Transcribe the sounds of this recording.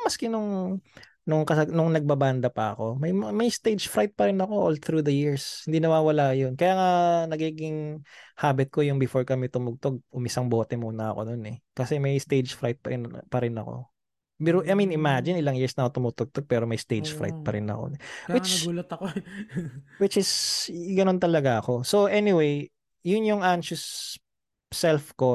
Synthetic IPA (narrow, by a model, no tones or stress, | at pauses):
mɐskɛnʊŋ | nʊŋkɐsɐɡnʊŋnɐɡ̚bɐband̪ɐpɐɐko̞mɐjmɐjst̪ejd͡ʒfɾajt̪̚pɐɾɪnɐko̞ʔolθɾud̪ɐjiɹshɪnd̪inɐwaːwɐlajonkɐjaːŋanɐɡiːɡɪŋhaːbɛt̪̚kojʊŋbɪfoɹkɐmɛt̪ʊmʊɡ̚t̪o̞ɡ̚ʔʊmɪsɐŋbo̞ːt̪ɛmuːnɐːko̞̰nonɛkɐsɛmɐjst̪ejd͡ʒfɾajt̪̚pɐpɐɾɪnɐ̰ko̞̰ | bɛɾoʔɐjminɪmad͡ʒɪnɪlaŋjiɹsnɐkot̪ʊmut̪oɡ̚t̪oɡ̚pɛːɾomɐjst̪ejd͡ʒfɾa̰jt̪̚pɐɾɪnɐ̰ko̞̰wɪt͡ʃɐɡuːlɐt̪ɐko | wɪt͡ʃɪsɡɐno̞nt̪ɐlɐɡaɐko̞soʔɛnɪwej | jʊnjʊŋʔanʃʊs | sɛlfko